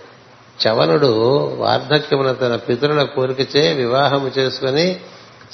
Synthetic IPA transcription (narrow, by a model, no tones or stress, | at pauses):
t͡ʃɐʋɐnuɽuʋa̰ːɾd̪ʱɐkjɐmunɐt̪ɐnɐpit̪uɾulɐkoːɾukit͡ʃeːʋiʋaːɦɐmut͡ʃe̞ːsu̥kuni